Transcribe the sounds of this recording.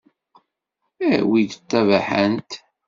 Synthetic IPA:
æwid̪ət̪ːævaħənt̪

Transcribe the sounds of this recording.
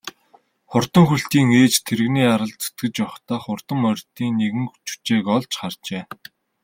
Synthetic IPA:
χʊr̥t̪ə̆ŋxuɬt̪iːŋeːt͡ɕt̪ʰeɾɘ̆ɣniːaɾə̆ɮt͡sʰɵ̥t̪̚ɡɘ̆t͡ɕpɔwχt̪aːχʊr̥t̪ə̆mœrʲt̪iːŋneɣɘ̆ŋxt͡ɕu̥t͡ɕeːkɔɮt͡ɕχart͡ɕeː

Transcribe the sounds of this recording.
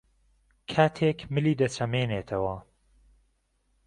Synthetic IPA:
kʰaːt̪ʰekmɨliːd̪ɐt͡ʃʰɐmeːneːt̪ʰɐwɐ

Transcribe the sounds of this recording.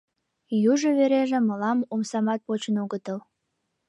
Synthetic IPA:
juʒoβeɾeʒĕməlɑmomsɑmɑt̪̚pot͡ɕənoɣət̪əl

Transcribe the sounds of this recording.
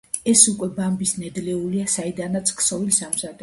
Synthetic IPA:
ɛsukʼwɛbambisnɛd̪lɛuliasaid̪anat̪sʰkʰsɔvilsamsad̪ɛ

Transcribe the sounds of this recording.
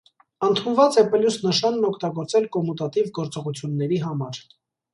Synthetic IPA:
ənt̪ʰunvɑt͡sɛpɛljusnəʃɑnːɔkʰt̪ɑɡɔɾt͡sɛlkɔmut̪ɑt̪ivɡɔɾt͡sɔʁut͡sʰjunːɛɾiɦɑmɑɾ

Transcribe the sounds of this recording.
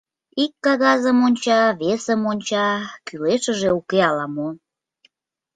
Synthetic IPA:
ikːɑɣɑzəmonʲt͡ɕɑβesəmonʲt͡ɕɑkyleʃə̆ʒeukeɑlɑmo

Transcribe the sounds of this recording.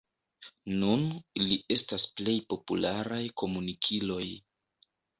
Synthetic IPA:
nuniliʔe̞stasple̞jpo̞pulaɾajko̞munikʰilo̞j

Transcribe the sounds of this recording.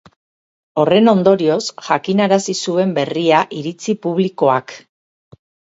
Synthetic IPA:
o̞re̞no̞nd̪o̞ɾio̞sʝakinaɾasisue̞mbe̞riaʔiɾit͡sipuβ̞liko̞ak

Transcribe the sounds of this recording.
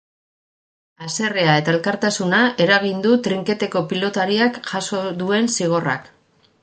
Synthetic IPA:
ase̞re̞ae̞t̪ae̞lkaɾt̪asunae̞ɾaɣ̞ind̪ut̪ɾiŋke̞t̪e̞ko̞pilo̞t̪aɾiakʝaso̞ðue̞nsiɣ̞o̞ra̰k

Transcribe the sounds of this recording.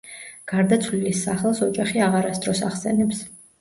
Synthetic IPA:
ɡ̥aɾd̪at̪sʰvlilisːaχɛlˠsɔd͡ʒʼaχiaʁaɾasd̪ɾɔsaχsɛnɛps

